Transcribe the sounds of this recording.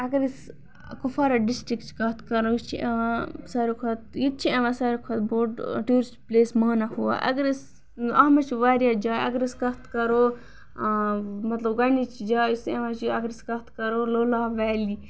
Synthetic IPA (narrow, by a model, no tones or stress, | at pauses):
ɐɡɐɾis | kufaːɾaɖisʈɾikt͡ʃʰi̥kɐt̪kɐɾojit͡ʃʰiʔḛʋãsaɾukʰat̪̚jit̪̚t͡ʃʰieʋãsaːɾikʰɐt̪̚boːɖʈuːɾisʈpleːsmaːnahuwa̰ʔɐ̰ɡɐɾis | ɐːmɐt͡ʃʰiʋaːɾjaːd͡ʒaːjɐɡɐɾiskɐt̪kɐɾoː | mɐt̪lɐbɡɐnit͡ʃʰid͡ʒaːseʋãt͡ʃʰiɐɡɾiskɐt̪kɐɾoːloːlaːʋɛːli